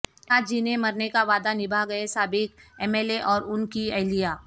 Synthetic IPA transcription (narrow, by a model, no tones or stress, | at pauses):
aːd͡ʒinemɐɾnekaʋaːd̪anɪbʱaɡɐesaːbɪkɛːmeːleʔɔːɾʊnkiɐɦlijaː